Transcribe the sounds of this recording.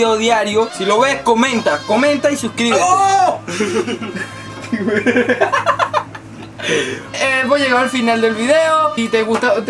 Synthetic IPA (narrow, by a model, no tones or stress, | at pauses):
eoðjaɾjosilo̞βe̞sko̞mẽ̞nt̪ako̞mẽ̞nt̪aisuhkɾiβe | t̪i | eβoʝeɣaalfinald̪e̞lβiðe̞oit̪eɣust̪at̪